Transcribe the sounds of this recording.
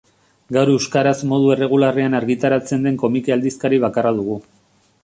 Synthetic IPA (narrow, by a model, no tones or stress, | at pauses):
ɡawɾe̞wskaɾazmo̞ð̞ue̞re̞ɣ̞ulareanaɾɣit̪aɾat͡se̞nd̪e̞ŋko̞mikeald̪iskaɾiβ̞akarað̞uɣ̞u